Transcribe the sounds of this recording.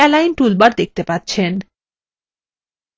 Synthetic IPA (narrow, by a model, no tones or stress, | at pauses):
ɛlajnʈulbaɾd̪ek̚ʰt̪epat̪ːɕʰen